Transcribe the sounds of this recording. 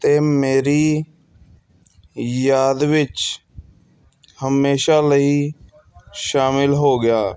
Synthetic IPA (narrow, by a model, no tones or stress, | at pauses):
t̪eːmeːɾi | jaːd̪ʋɪt͡ʃ | həmeːʃaləɦi | ʃaːmɪlɦoːɡɪjaː